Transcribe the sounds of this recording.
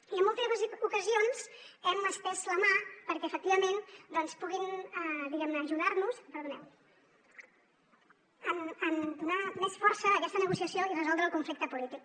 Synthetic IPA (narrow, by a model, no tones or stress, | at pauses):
iəmːɔlˠt̪əzzukəzionz̥ɛməsp̪ɛzləmapəɾkɛəfək̚t̪iβəmend̪ɔnspuɣinəd̪iɣɛmnəːʒuðaɾnuspəɾðunɛw | ənənd̪unamɛsfɔɾsəːkɛst̪ənəɣusiəsioirəzɔlˠd̪ɾəlˠkuɱflik̚t̪əpulit̪ik̚